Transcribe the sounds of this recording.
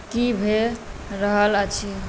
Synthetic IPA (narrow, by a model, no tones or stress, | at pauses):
kibʱeɾəɦələt͡ʃʰi